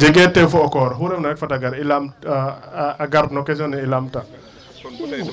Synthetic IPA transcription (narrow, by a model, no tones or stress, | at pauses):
d͡ʒɛɡɛtːɛfɔɔkɔɾɦuɾɛmnaɛkfataɡaɾilam | aɡaɾnɔkɛs̬ɔnɛilamta